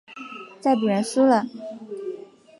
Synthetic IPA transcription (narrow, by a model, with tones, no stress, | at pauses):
t͡sa˥˩ɪp̬u˨˩ɻə˧˥nsu˥lə˨